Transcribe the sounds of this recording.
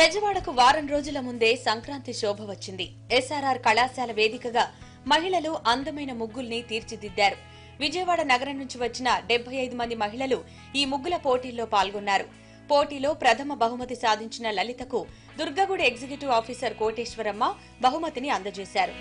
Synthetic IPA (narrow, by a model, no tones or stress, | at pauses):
pɛd͡ʒɐʋaːɽɐkuʋaːɾɐnɾo̞ːd͡ʒulɐmund̪e̞ːsɐŋkɾaːnt̪iʃɔːbʱɐʋɐt͡ʃːind̪i | ɛsaːɾaːɾkɐɭaːsaːlɐʋe̞ːd̪ikɐɡaː | mɐɦiɭɐluʔɐnd̪ɐmɐjnɐmuɡːulnit̪iːɾt͡ʃid̪id̪ːaːɾu | ʋid͡ʒɐjɐʋaːɽɐnɐɡɐɾɐnːuɲt͡ʃiʋɐt͡ʃːinɐɖebʱːɐjɐjd̪umɐnd̪imɐɦiɭɐlu | iːmuɡːulɐpo̞ːʈiːlo̞ːpaːlɡɔnːaːɾu | poːʈiːlo̞ːpɾɐt̪ʰɐmɐbɐɦumɐt̪isaːd̪ʱiɲt͡ʃinɐlɐlit̪ɐku | d̪uɾɡɐɡuɽieɡd͡ʒikjuʈiʋaːpʰiːsɐɾko̞ːʈeːʃʋɐɾɐmːɐ | bɐɦumɐt̪iniɐnd̪ɐt͡ʃeːsaːɾu